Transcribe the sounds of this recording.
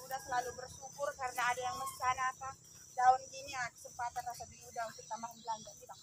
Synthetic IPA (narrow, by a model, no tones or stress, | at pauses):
udahsəlalubərsukʊrkaɾənaːdajaŋmənt͡ʃanaːpa | daʊnɡiniaadisəmpat̪anrasabiludaʊnsərt̪amaanbəland͡ʒakida